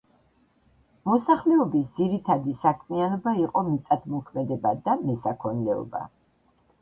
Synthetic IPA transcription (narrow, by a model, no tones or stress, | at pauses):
mɔsaχlɛɔbisd̪ziɾit̪ʰad̪isakʰmianɔbaiqʼɔmit̪sʼad̪mɔkʰmɛd̪ɛbad̪amɛsakʰɔnlɛɔ̰ba̰